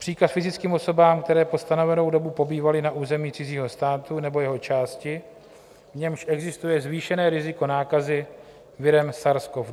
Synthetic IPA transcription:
pr̥iːkasfɪzɪt͡skiːmʔo̞so̞baːmkt̪ɛɾɛːpo̞st̪ano̞vɛno̞wdo̞bupo̞biːvalɪnaʔuːzɛmiːt͡sɪziːɦo̞st̪aːt̪unɛbo̞jɛɦo̞t͡ʃaːscɪ | vɲɛmʃʔɛɡzɪst̪ujɛzviːʃɛnɛːɾɪzɪko̞naːkazɪ | vɪɾɛmsaɾskovd

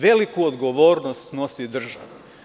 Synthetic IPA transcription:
ʋe̞likuod̪ɡoʋoːɾnost̪no̞sid̪r̩ʒa̰ʋu

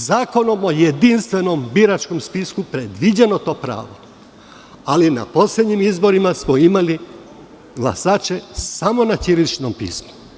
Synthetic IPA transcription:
zaːko̞no̞mo̞jed̪inst̪ʋe̞no̞mbiɾat͡ʃko̞mspiskupɾed̪ʋid͡ʑeno̞t̪o̞ːpɾa̰ːʋo̞̰ | alina̰po̞slʲed̪ɲimizbo̞ɾimasmo̞imali | ɡlˠa̰saːt͡ʃe̞samo̞nat̪iɾit͡ʃno̞mpḭːsmu̥

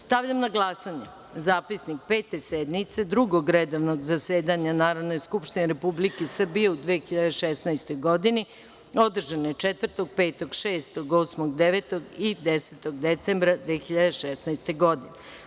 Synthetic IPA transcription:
st̪aʋʎʲamnaɡlˠasaɲe | zaːpisnik̚pe̞ːt̪e̞sed̪nit̪se̞d̪ɾuɡoɡɾed̪oʋnoɡzaseːd̪aɲanaːɾod̪ne̞jskupʃt̪ineɾepublikesr̩bijeud̪ʋeːxiʎad̪eʃesnajst̪o̞jɡo̞d̪ini | o̞d̪r̩ʒanoet͡ʃet̪ʋr̩t̪o̞ɡ̚peːt̪o̞ɡʃeːst̪o̞ɡo̞ːsmoɡd̪eʋet̪o̞ɡid̪eset̪o̞ɡd̪et̪sembɾad̪ʋexiʎad̪eʃesnajst̪eɡo̞d̪ine

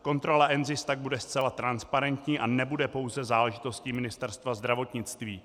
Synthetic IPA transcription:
ko̞nt̪ɾo̞laʔɛnzɪst̪aɡ̚budɛst͡sɛlat̪ɾanspaɾɛnt̪ɲiːʔanɛbudɛpo̞wzɛzaːlɛʒɪt̪o̞scimɪnɪst̪ɛɾst̪vazd̪ɾavo̞t̪ɲɪt͡st̪viː

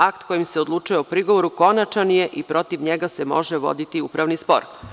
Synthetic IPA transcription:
akt̪ko̞jimseod̪lˠuːt͡ʃujeopɾiɡoʋo̞ɾuko̞nat͡ʃanije̞ʔipɾo̞t̪iʋɲeɡasemo̞ʒeʋo̞̰d̪it̪iupɾaʋnispo̰ɾ

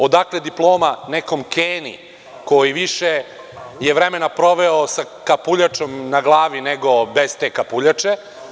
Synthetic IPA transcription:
od̪akled̪iplˠo̞ːmaneko̞mkeːnḭ | ko̞jiʋiʃe | jeʋɾemenapɾo̞ʋeosa | kapuʎat͡ʃo̞mnaɡlˠaːʋineɡo̞bez̥t̪eːkapuʎat͡ʂe

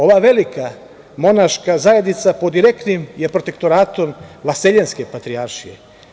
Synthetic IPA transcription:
o̞ʋaʋe̞lika | mo̞naʃkazajed̪nit̪sapo̞d̪iɾe̞kt̪nimje̞pɾot̪e̞kt̪oɾaːt̪o̞mʋaseʎenske̞pat̪ɾiaɾʃijḛ

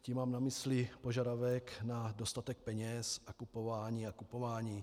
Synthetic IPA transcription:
cimaːmnamislipoʒadavɛknadost̪at̪ɛk̚pɛɲɛsʔakupovaːɲiːakupovaːɲiː

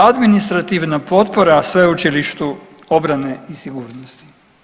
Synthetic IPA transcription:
ad̪minist̪ɾat̪iʋnapo̞t̪poɾasʋeut͡ʃiliʃt̪u | obɾaneisiɡuːɾnost̪i̥

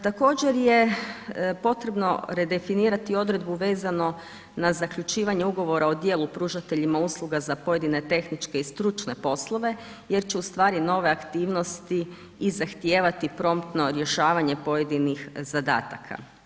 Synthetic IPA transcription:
t̪ako̞ːd͡ʑe̞ɾje̞ | po̞t̪ɾe̞bno̞̰ɾed̪e̞finiːɾat̪io̞d̪ɾe̞d̪̚buʋe̞ːzano̞ | nazakʎut͡ʃiːʋaɲeuɡo̞ʋo̞ɾaod̪je̞ːlˠupɾuːʒat̪e̞ʎimauːslˠuɡazapo̞je̞d̪ine̞t̪e̞xnit͡ʃke̞ist̪ɾut͡ʃne̞po̞slˠo̞ʋe̞ | je̞ɾt͡ɕeust̪ʋaːɾino̞ʋe̞akt̪iːʋno̞st̪i | izaxt̪jeːʋat̪ipɾo̞mt̪no̞ɾje̞ʃaːʋaɲe̞po̞je̞d̪inixzad̪a̰ːt̪akʰa̰

